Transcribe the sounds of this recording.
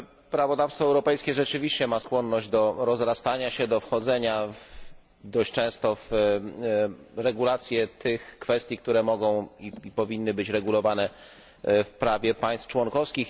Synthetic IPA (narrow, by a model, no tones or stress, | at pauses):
pɾavɔd̪afst̪fɔɛwɾɔpɛjskʲɛʐɛt͡ʂɘvʲiɕt͡ɕɛmaskwɔnːɔʑd͡ʑd̪ɔɾɔzɾast̪aɲaɕɛd̪ɔfxɔd̪zɛɲav | d̪ɔɕt͡ʂɛ̃w̃st̪ɔf | ɾɛɡulat̪sʲjɛt̪ʰɘxkfɛst̪ʲjikt̪uɾɛmɔɡɔ̃w̃iipɔvʲinːɘbɘt͡ɕɾɛɡulɔvanɛ | fpɾavʲjɛpaj̃st̪ft͡ʂwɔnkɔfskʲix